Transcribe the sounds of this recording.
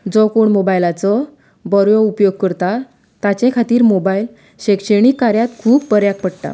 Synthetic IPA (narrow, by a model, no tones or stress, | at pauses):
d͡zɔkoɳmobajlat͡sɔ | bəɾʋɔupjoɡ̚kəɾt̪a | t̪at͡ɕẽkʰat̪iːɾmobail | ɕekɕeɳ̃ikːaɾjat̪kʰuːppəɾjak̚pəɽʈ̪a̰